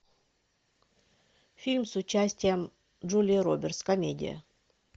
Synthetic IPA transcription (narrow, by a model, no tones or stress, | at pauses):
fʲilʲmsʊt͡ɕːæsʲtʲɪjəm | ʐulʲiɾobʲɪrt̪skɐmʲedʲɪ̰jə̰